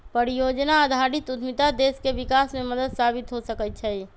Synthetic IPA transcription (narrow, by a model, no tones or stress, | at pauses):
pəɾijod͡ʒnaəd̪ʱaɾit̪ut̪ʰmit̪ad̪eskebikasmẽməd̪əd̪sabit̪ɦosəkət̪̚t͡ʃʰɛj